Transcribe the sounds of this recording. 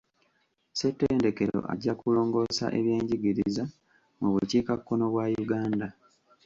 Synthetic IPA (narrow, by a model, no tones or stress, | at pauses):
setːeːnde̞ke̞ɾo̰ʔa̰ɟːakulo̞ːŋɡo̞sa̰ʔe̞̰βje̞ːɲɟiɡiɾiza | muβuciːkakːono̞βwaːjuɡaːnda